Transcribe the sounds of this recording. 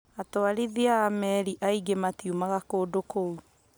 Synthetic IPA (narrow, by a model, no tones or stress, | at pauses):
atoaɾiðiamɛɾiʔaiɡematiumaɣakoːdokou